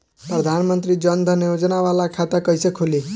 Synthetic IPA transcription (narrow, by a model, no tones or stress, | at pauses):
pɾəd̪ʱanmənt̪ɾid͡ʒʌnd̪ʱənjod͡ʒnaʋalakʰat̪əkʌjsekʰuli